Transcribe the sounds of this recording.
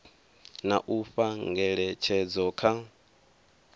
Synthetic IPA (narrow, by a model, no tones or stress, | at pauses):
naʔuɸaŋɡɛɺɛt͡ʃʰɛd͡zɔkʰa